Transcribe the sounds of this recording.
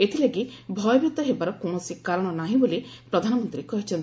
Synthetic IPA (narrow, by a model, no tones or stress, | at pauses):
et̪ʰileɡibʱɔjɔbjut̪ɔɦebaɾɔkoɽ̃osikaɾɔɽ̃ɔnaɦĩbolipɾɔd̪ʱanɔmɔnt̪ɾiekɔɦit͡ʃʰɔnt̪i